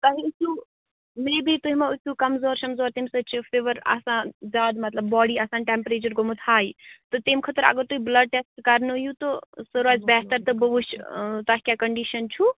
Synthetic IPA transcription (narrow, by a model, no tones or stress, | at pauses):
t̪ɐɦiusu | mebʱit̪uɦimeusukɐmzoːɾsɐmzoːɾt̪imsɐt͡ʃʰipʰeʋəɾa̰sãzaːd̪mɐt̪ləbːɔːɽiaːsaːnʈempɾeːt͡ʃɐɾɡomut̪ʰaːjt̪ɔt̪emkʰət̪əɾɐ̰ɡəɾt̪uɦibləɖ̚ʈesʈkɐɾnujut̪osəɾaːzbɛːst̪əɾt̪əbəbut͡ʃt̪aɦikʲjakɐɳɖiʃənt͡ʃʰu